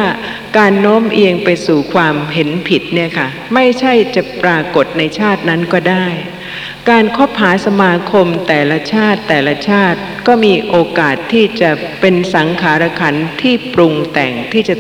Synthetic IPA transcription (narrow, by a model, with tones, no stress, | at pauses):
kaː˧nːoː˦˥mʔeː˧ŋpa˧jsuː˨˩kʰwaː˧mɦe˩˦npʰi˨˩t̪̚ni˥˩ɐkʰa˥˩ | ma˥˩jt͡ɕʰa˥˩jt͡ɕa˨˩pɾaː˧ko˨˩t̪̚na˧jt͡ɕʰaː˥˩t̪̚na˦˥nkɔː˥˩daː˥˩j | kaː˧nkʰo˦˥p̚haː˩˦sa˧maː˧kʰo˧mt̪ɛː˨˩la˧˥t͡ɕʰaː˥˩t̪ːɛː˨˩la˧t͡ɕʰaː˥˩t̪̚kɔː˥˩miː˧ʔoː˧kaː˨˩t̪ʰːiː˥˩t͡ɕa˨˩ | pe˧nsa˩˦ŋkʰaː˩˦ɾa˧kʰa˧˥nt̪ʰiː˥˩pɾu˧ŋt̪ɛ˨˩ŋt̪ʰiː˥˩t͡ɕa˨˩